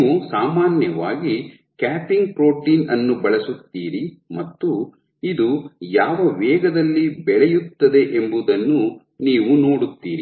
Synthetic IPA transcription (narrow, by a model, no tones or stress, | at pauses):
usaːmaːnjɐʋaːɡi | kaːpiŋɡ̚pɾo̞ːʈiːnɐnːubɐɭɐsut̪ːiːɾimɐt̪ːu | id̪ujaːʋɐʋɛːɡɐd̪ɐlːibɛɭɛjut̪ːɐd̪e̞ʔembud̪ɐnːu | niːʋuno̞ːɽut̪ːiːɾi